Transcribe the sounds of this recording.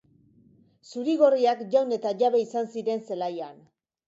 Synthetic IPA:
suɾiɣo̞riakʝawne̞t̪aʝaβe̞isansiɾe̞nse̞lajan

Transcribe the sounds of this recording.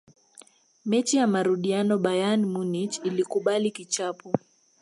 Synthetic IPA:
mɛt͡ʃijamaɾuɗianɔɓajanmunit͡ʃilikuɓalikit͡ʃapu

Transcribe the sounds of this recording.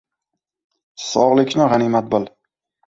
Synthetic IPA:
sɒʁlˠɪkʲnɪʁanimat̪̚bɨl

